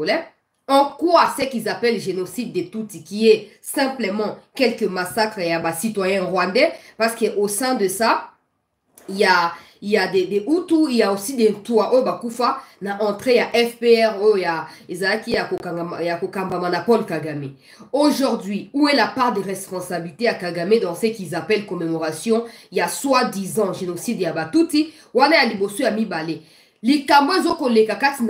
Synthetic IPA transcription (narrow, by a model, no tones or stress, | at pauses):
lɛ | ɑ̃kwasɛkilzapɛlʒenosid̪̚ːetutikiɛ | sɛ̃pləmɑ̃kɛlkəmasakʁejabasitwajɛ̃ʁwãndɛpaʁskəʔosɛ̃d̪əsa | ja | ijadedeʔutuijaosidetwaʔojobakufanaʔɑ̃t̪χejaʔɛfpeɛʁojojaezalakijakojakokambamanapɔlkaɡame | oʒoʁdɥiuelapaʁdeʁɛspɔ̃sabilitejakaɡamedɔ̃ʁsekizapɛlkomemoʁasjɔ̃jaswadizɑ̃ʒenosidjabatuti | wanajalibosojamibale | likamboezokolekakatin